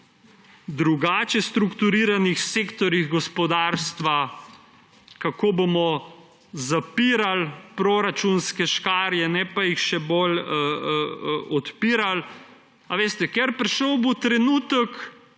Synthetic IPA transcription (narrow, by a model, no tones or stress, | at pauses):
d̪ɾuɡaːt͡ʃɛst̪ɾukt̪uɾiːɾanixseːkt̪ɔɾjiɣɡɔspɔd̪aːɾst̪ʋa | kakoːbomɔ | zapiːɾalpɾoɾat͡ʃunskɛʃkaːɾjɛnɛpajixʃɛbolə | ɔt̪piːɾal | aʋeːst̪ɛkɛɾpɾiʃɔwbot̪ɾɛnuːt̪ək